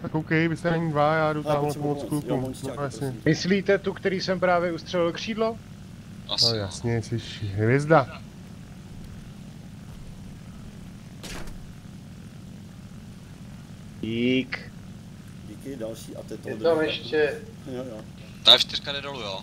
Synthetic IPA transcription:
t̪akowkɛjbɪsɛnɛɲiːdvajaːduaːmomot͡sklukunoojasɲɛmɪsliːt̪ɛt̪ukt̪ɛɾiːsɛmpɾaːvjɛust̪r̥ɛlɪlkr̝̥iːdlo | aojasɲɛsɪʃɦvjɛzda | ik | ikɪdalʃiːa̰t̪ɛt̪jɛd̪amɛʃcɛ | t̪aʃt̪ɪɾkadɛdolujo

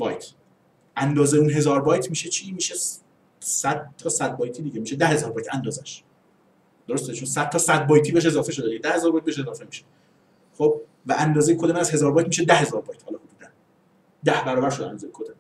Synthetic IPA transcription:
bɒːjt̪ʰ | ʔænd̪ɒːzeuːnɦe̞zɒːɾbɒːjt̪ʰmiːʃet͡ʃʰimiːʃe | sæd̪̥̚t̪ʰːɒːsæd̪̚bɒːjt̪ʰiːd̪iɟemiːʃed̪æhe̞zɒːɾbɒːjt̪ʰænd̪ɒːzæʃ | d̪̥oɾo̞st̪et͡ʃʰonsæd̪̥̚t̪ʰːɒːsæd̪̚bɒːjt̪ʰiːbeeʃe̞zɒːfeʃod̪ied̪æhe̞zɒːɾbɒːjt̪̚beeʃe̞zɒːfemiʃe̥ | χob̚ | væʔænd̪ɒːzejekʰod̪emænæz̥he̞zɒːɾbɒːjt̪miːʃed̪æhe̞zɒːɾbɒːjt̪ʰhɒːlɒːhod̪uːd̪æn | d̪æhbæɾɒːbæɾʃ̬od̪æ̰nd̪ɒːzejkʰod̪em

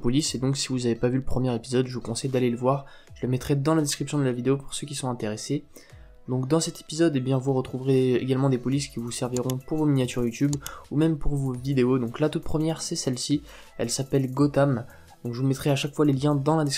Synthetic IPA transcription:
pɔlised̪ɔ̃ksivuzavepavyləpχəmjɛʁepizɔd̪ʒəvukɔ̃sɛjd̪aleləvwaʁ | ʒ̥ələmɛt̪χɛd̪ɑ̃lad̪eskχipsjɔ̃d̪əlavid̪eopuʁsøkʲisɔ̃ɛ̃t̪eʁese | d̪ɔ̃kd̪ɑ̃sɛt̪e̥pizɔd̪ebjɛ̃vuʁət̪χuvʁeḛɡalmɑ̃d̪epɔliskʲivusɛʁviʁɔ̃puʁvominjat̪yʁjut̪ybumɛmpuʁvovid̪eod̪ɔ̃klat̪ut̪̚pχəmjɛʁsɛsɛlsi | ɛ̰lsapɛlɡot̪am | d̪̥ɔ̃kʒəvumɛt̪χɛaʃakfwaleljɛ̃d̪ɑ̃lad̪es

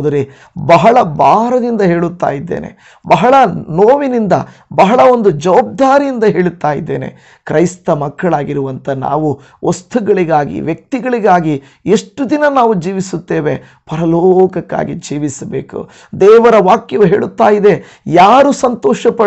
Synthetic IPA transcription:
d̪ɐɾe | bɐɦɐɭɐbaːɾɐd̪ind̪ɐɦe̞ːɭut̪ːa̰ːjid̪ːḛːnḛ | bɐɦɐɭɐnoːʋinind̪ɐ̰ | bɐɦɐɭɐond̪ud͡ʒɐʋaːb̚d̪aːɾijind̪ɐɦe̞ːɭut̪ːaːjid̪ːe̞ːne̞̰ | kɾɐjst̪ɐmɐkːɐɭaːɡiɾuʋɐnt̪ɐna̰ːʋu | ost̪ʰuɡɐɭiɡaːɡḭʋjɐk̚t̪iɡɐɭiɡaːɡi | eʂʈːud̪inɐnaːʋud͡ʒiːʋisut̪ːe̞ːʋe | pɐɾɐloːkɐkːa̰ːɡid͡ʒiːʋisɐbe̞ːkṵ | d̪ɛːʋɐɾɐʋaːkjɐʋuɦe̞ːɭut̪ːaːjid̪e̞ | jaːɾusɐnt̪ɔːʃɐpɐ

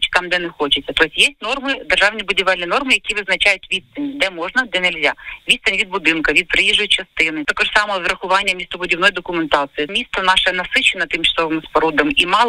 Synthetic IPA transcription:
t͡ʃʲt̪ɑmd̪ɛnɛxɔt͡ʃɪt͡sʲːɐt̪ɔsʲjesʲtʲnɔrmɪd̪erʒɑwnʲibʊdʲiʋɛlʲnʲinɔrmɪjɐkʲiʋɪznɐt͡ʃajʊtʲʋʲit̪st̪ɪnʲid̪ɛmɔʒnɐd̪ɛnelʲzʲaʋʲiɐnʲʋʲid̪bʊd̪ɪnkɐʋʲid̪̚pɾejiʒʊjt͡ʃɐst̪ɪnɪt̪ɐkɔʒsɑmɐɔzɾɐxʊʋɑnʲːɐmʲist̪ɔbʊdʲiwnɔjd̪ɔkʊment̪ɑt̪sɨjimʲist̪ɐnɑʃɛnɐsɪt͡ʃenɐt̪ɪmt͡ʃɐ̥sɔʋɪmspɐɾud̪ɐmimɑlˠ

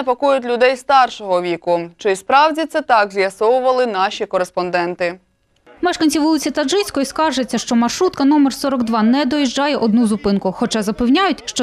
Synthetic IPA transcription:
pɐkujʊtʲlʲʊd̪ɛjst̪ɑrʃɔɦɔʋʲikʊt͡ʃɪjspɾɑwdʲit̪sɛt̪ɑɡzʲjɐsɔwʊʋɐlˠɪnɑʃʲikɔɾespɔnd̪ɛnt̪ɪ | mɛʃkɐnʲt͡sʲiʋɔlˠɪt͡sʲit̪ɐʒɪsʲkɔjiskɑʒet͡sʲːɐʃt͡ʃɔmɐrʃɾut̪̚kɐnɔmersɔɾɔɡd̪ʋɑnɛd̪ɔjiʒd͡ʒɑjɛʔɔd̪nuzʊpɪnkʊxɔt͡ʃɑzɐpɪwnʲajʊtʲʃt͡ʃɔ

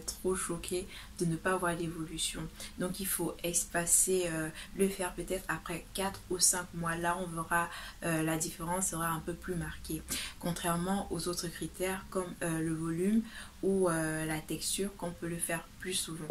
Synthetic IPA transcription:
t̪χoʃɔkʲʰe | d̪̥ənəpaːvwaʁlevɔlysjɔ̃d̪ɔ̃kilfoɛspaseøləfɛʁpøt̪ɛt̪χapχɛkat̪χusɛ̃kmwalaɔ̃veʁaølad̪ifeʁɑ̃sːəʁaɛ̃pøplymaʁkʲekɔ̃t̪χɛʁmɑ̃ʔozot̪χəkχit̪ɛʁkɔmøləvɔlym | uølat̪ɛkst̪yːʁkɔ̃pøləfɛʁplysuvɑ̃

